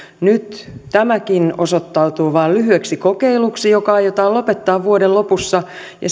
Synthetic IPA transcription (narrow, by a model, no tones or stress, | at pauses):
nyt̪t̪æmækinosot̪ːɑut̪uːʋɑːllyhyeksikokeiluksijokɑɑjot̪ɑːlopet̪ːɑːʋʋuodellopusːɑ | jɑ̰